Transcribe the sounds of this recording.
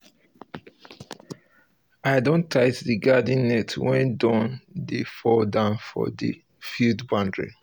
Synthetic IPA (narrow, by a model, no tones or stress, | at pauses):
aɪdõntʰːaɪtðəɡadĩnnːɛtʰwɛ̃ndɔ̃ndifɔdãnfɔ̰ðə̰ | fildbãndɹḭ